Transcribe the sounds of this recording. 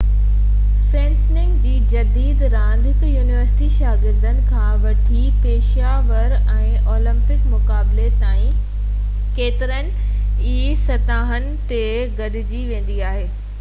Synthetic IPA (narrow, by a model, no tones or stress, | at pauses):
feːnsnɪ̃ŋɡd͡ʑiːd͡ʑɐd̪iːd̪ɾãːnd̪ʱɪkjuːnɪʋəɾsɪ̥ʈiʃaːɡɪɾd̪ənɪ̆kʰãːʋɐʈʰi | peːʃ | aːʋəɾ | ɛ̃ːoːlɪ̃mpɪkmʊkaːblet̪aːĩ | keːt̪ɪɾənɪ̆ | iːsɐt̪aːɦənɪ̆t̪e | ɡɐɗɪd͡ʑiʋẽːn̆d̪iaːɦeː